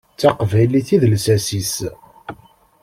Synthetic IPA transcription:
t͡sːɑqvæjliθiðlsæsis

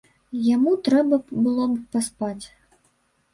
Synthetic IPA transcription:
jamut̪ɾɛbɐbɨlˠɔbɨpaspat͡sʲ

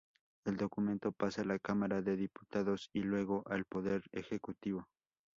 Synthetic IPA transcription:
e̞ld̪o̞kumẽ̞nt̪o̞pasaːlakamaɾaðe̞ðipu̥t̪aðosilwe̞ɣo̞ʔalpoðe̞ɾḛxekut̪iβo̞

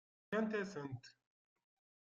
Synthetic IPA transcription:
ent̪esɨnt̪

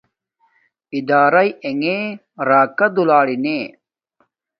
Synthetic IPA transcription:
id̪aːɾɐjeŋeː | ɾaːkɐd̪ulaːɽineː

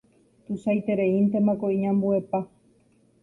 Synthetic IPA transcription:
t̪usajt̪eɾeint̪e̞makoĩɲãmbuepa

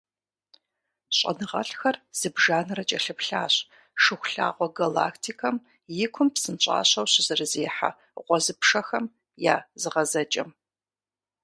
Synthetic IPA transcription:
ɕʼɐ̰nɨʁɐ̰ɬxɐrz̥ɨbʒaːnɨrɐt͡ʃʼɐɬɨpɬaːɕ | ʂɨχʷɬa̰ːʁʷɔɡala̰ːkʰtʰikʰɐm | jɪkʷʰʊmpsɨnt͡ʃʼa̰ːɕɐwɕɪzɨrɨzeːħa̰ | ʁʷɔzɨpʂɐxɐm | jaːzɨʁɐzɐt͡ʃʼɐ̰m

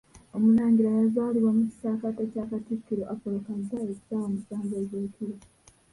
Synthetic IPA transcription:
omunaːɲɟiɾajazwaːliwomuci̥saːkatacaːkatikːiɾoʔapolokazːaeku̥saːwomusaːŋɡeɟeːkiɾi

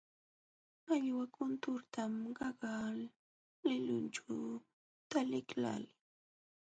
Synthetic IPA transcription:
aʎwakʊnt̪ʊɾt̪amɢɑɢal | lɪʎʊnt͡ʃaw | t̪alɪkla̰lɪ

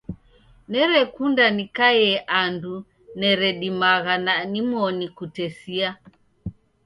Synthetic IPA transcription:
nɛɾɛkundanikajɛʔandu | nɛɾɛɗimaɣananimɔnikutɛsia

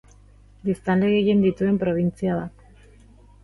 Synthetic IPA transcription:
d̪ist̪anleɣeɣind̪it̪ue̞mpɾo̞β̞int͡siaβat̪

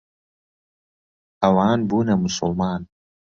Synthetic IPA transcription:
ɐwaːnbuːnɐmʊsʊlmaːn

